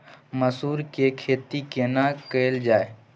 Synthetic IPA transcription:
məsuːɾkekʰeːt̪ikenakəːld͡ʒaːe

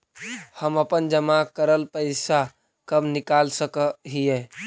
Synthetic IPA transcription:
həməpənd͡ʒəmakəɾəlpəɪsa | kəbnɪkalsəkəɦijɛ̃

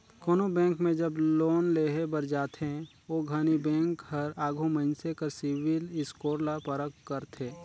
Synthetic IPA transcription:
koːnobɛ̃ːŋkmẽd͡ʒəbloːnleːɦebəɾd͡ʒaːt̪ʰɦɛ̃ | oːɡʱaːnibɛ̃ːŋkɦəɾaːɡʱumənsekəɾsɪwɪlɪskoːɾlapəɾəkːəɾt̪ʰeː

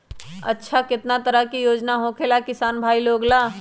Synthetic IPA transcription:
ə̰tːʃʰakɪt̪nat̪əɾəɦkijoːd͡ʒnaɦõkʰelakɪsaːnbʱaːiloːɡlaː

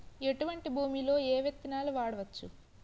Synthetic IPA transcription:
e̞ʈuʋɐɳʈibʱuːmilo̞ːeːʋjet̪ːinaːluʋaːɽɐʋɐt͡ʃːṵ

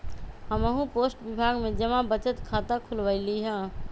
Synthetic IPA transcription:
həməɦũposʈbibʱaɡmed͡ʒəmãbət͡ʃət̪kʰat̪akʰulʋaɪliɦə̃

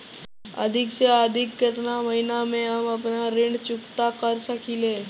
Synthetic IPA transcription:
ə̰d̪ʱɪkseəd̪ʱɪkːɪt̪naməɦinamẽɦɐmɐpnaɾɪ̃ɳɖt͡ʃʊkt̪akəɾsəkileː

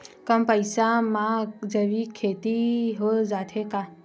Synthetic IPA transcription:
kəmpəjsamãd͡ʒəʋikʰet̪iɦod͡ʒat̪ʰeka

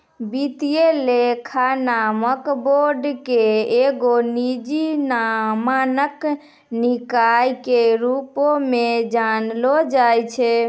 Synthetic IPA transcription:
bit̪ijelekʰanaməkboɾɖkeeɡonid͡ʒinamanək | nikajkeɾupomed͡ʒanlɔd͡ʒajt͡ʃʰɛ

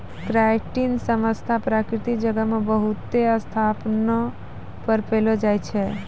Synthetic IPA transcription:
kɾajʈinsəməst̪ʰapɾakɾit̪ikd͡ʒəɡəmebəɦut̪eəst̪ʰapnɔ | pəɾpelɔd͡ʒajt͡ʃʰɛ

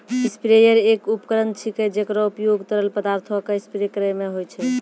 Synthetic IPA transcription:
ispiɾejəɾekupkəɾənt̪̚t͡ʃʰiked͡ʒekəɾɔupjoɡt̪əɾəlpəd̪aɾt̪ʰɔkeispiɾekɾəjmeɦojt͡ʃʰɛ

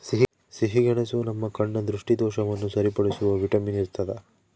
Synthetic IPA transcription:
siɦi | siɦiɡɛɳesunɐmːɐkɐɳːɐd̪ɾuʂʈid̪ɔːʃɐʋɐnːusɐɾipɐɽisuʋɐʋiʈɐminiɾt̪ːɐd̪e

